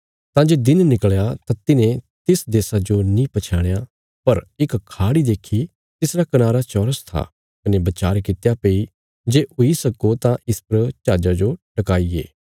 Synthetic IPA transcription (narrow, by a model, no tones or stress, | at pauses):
t̪ãːd͡ʒeːd̪ɪnnɪkəɭjat̪ãt̪ɪnẽ | t̪ɪsd̪eːsad͡ʒonĩpɐt͡ʃʰaːɽ̃ja | pɐɾɪkkʰːaːɽid̪eːkʰi | t̪ɪsɾakɐnaːɾat͡ʃɔːɾəst̪ʰa̰ | kɐnẽbɐt͡ʃaːɾkɪt̪japei | d͡ʒeːʔʊisɐkot̪ãʔɪspɾɐt͡ʃaːd͡ʒad͡ʒoʈɐkaːiḛː